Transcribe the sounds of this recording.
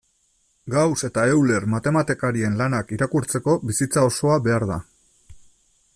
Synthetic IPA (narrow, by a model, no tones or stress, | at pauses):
ɡawse̞t̪aewle̞ɾmat̪e̞mat̪ekaɾie̞nlanakiɾakuɾt͡se̞ko̞bisit͡sao̞so̞aβe̞aɾða̰